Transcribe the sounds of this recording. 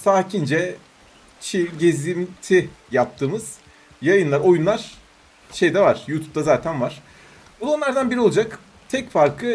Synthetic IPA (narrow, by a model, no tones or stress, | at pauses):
saːcʰind͡ʒɛ | t͡ʃʰiɟezimt̪ʰijap̚t̪ʰɯːmɯz̥ | jajɯnlˠaɾo̞junlˠaɾ̥ | ʃe̞jd̪ɛvaɾ̥juːt̪ʰu̥p̚t̪azaːt̪ʰænvaɾ̥ | bud̪onˠaɾd̪anbiɾio̞lˠud͡ʒak | t̪ʰɛcfaɾkʰɯ